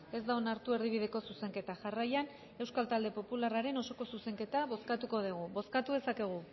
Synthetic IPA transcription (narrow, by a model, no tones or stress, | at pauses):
e̞zd̪aonaɾt̪ue̞ɾðiβ̞iðe̞ko̞suse̞ŋke̞t̪aʝarajan | e̞wskalt̪ald̪e̞po̞pularaɾe̞no̞so̞ko̞suse̞ŋke̞t̪aβo̞skat̪uko̞ð̞iɣ̞uβo̞skat̪uðe̞sake̞ɣ̞u